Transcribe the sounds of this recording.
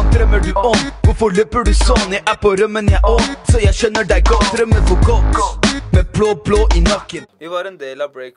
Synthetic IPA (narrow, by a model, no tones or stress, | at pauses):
d̪ɾɛmːəɖʉʔɔmʋʊɾfɔɭøːpəɖʉsɔnəʔæpɔɾœmːənjæʔɔsɔjæɪʃœnːəɖææɡɔt̪ɾəmːəʋʊɾɡɔt̪mebloːbloːʔɪnɑkːənː